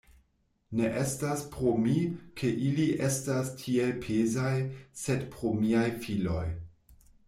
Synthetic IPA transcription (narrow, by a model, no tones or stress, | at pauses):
ne̞ʔe̞staspɾomikʰe̞ʔiliʔestastʰielpʰezajse̞dpɾo̞miajfilo̞j